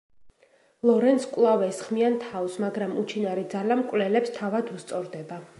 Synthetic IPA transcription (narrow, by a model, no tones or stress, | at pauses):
lˠɔɾɛnskʼwlˠavɛsχmiant̪ʰaɔsmaɡɾamut͡ʃʰinaɾid̪zalamkʼwlɛlɛpst̪ʰavad̪ust̪sʼɔɾd̪ɛba